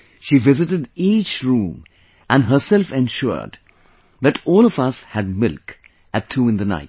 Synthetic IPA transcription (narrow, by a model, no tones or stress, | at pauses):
ʃiːvɪzɨtɨdit͡ʃɹũm | ʔæ̃nɦəsɛlfɛ̃nʃʊ̰ɹd | ðɨtɔːlˠɔvʌshɨd̚mɪlˠk | ɨtʰːuːɨ̃nðɨna̰ɪt